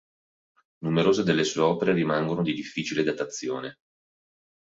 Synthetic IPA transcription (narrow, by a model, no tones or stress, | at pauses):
numeɾoːzed̪elːesueɔːpeɾeɾimaŋɡonod̪id̪ifːit͡ʃiled̪at̪at̪sːjo̰ːne